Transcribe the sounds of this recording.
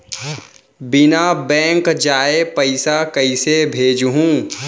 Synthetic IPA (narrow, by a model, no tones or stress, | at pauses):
bɪnabɛ̃ːŋkd͡ʒaːepəɪsakɐɪsebʱeːd͡ʒɦũ